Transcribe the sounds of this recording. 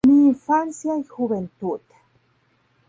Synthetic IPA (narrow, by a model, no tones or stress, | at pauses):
miɱfansjaixuβent̪uʔt̪ḁ